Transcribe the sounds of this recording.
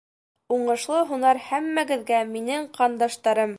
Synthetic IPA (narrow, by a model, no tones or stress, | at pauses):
uɴɤ̆ʃlˠɤɦunɑɾhæmːæɡɘ̆ðɡæminɘŋqɑnd̪ɑʃt̪ɑɾɤm